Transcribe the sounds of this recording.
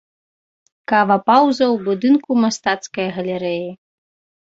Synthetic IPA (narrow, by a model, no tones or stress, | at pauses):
kavɐpawzɐwbud̪ɨnkumast̪at̪skɐjɣɐlʲɛɾɛji